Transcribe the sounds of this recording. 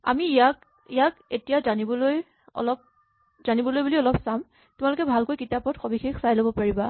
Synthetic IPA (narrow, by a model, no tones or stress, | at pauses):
a̰miːjak | ijaketijazanibɔloj | ɔ̰lɔp̚ | z̥anibɔlojbuliɔlɔpsam | tʊmalʊkɛbʱalkojkitapɔtxobixexsajlobɔpaɹiba